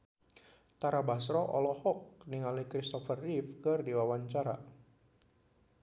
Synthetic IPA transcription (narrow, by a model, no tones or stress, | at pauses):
t̪aɾabasɾɔʔɔ̰lɔhɔk̚niŋalikɾist̪ɔfərːifkɨrdiwawaɲt͡ʃaɾa